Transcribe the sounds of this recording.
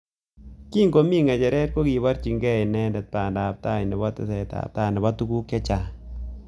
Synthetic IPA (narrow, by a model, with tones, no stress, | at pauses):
ki˦ŋko˨˦mi˦ŋɛ˨t͡ʃɛ˨ɾɛ˦t̚ko˦kɡi˨βa˦ɾt͡ʃi˨ŋɡɛ˦˨ɪ˨nɛ˦ndɛ˨t̚ta˨nda˨p̚ta˦˨nɪ˨bɔ˦tɪ̰˦sɛ˨ta̰˨p̚ta˦˨nɪ˨ba˦tu˦ku˦kjɔ˦t͡ʃa˨